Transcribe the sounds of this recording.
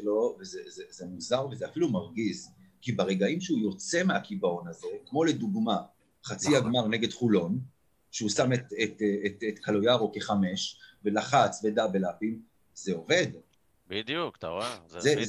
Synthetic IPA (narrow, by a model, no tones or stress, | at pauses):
lo̞vezezezemuzaʁvezeafilumaʁɡiz | kibaʁe̞ɡaimʃeujo̞t͡se̞meakibao̞naze̞kmo̞le̞duɡma | χat͡siaɡmaʁne̞ɡe̞dχulo̞n | ʃeusamet̪et̪eetet̪kʰalo̞jaʁo̞keχame̞ʃvelaχat͡svedabelapim | zeo̞ve̞d | bid̪jukt̪aeze